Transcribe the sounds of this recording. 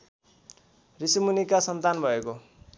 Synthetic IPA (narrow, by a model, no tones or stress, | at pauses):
risimunikasʌnt̪anbʱʌeko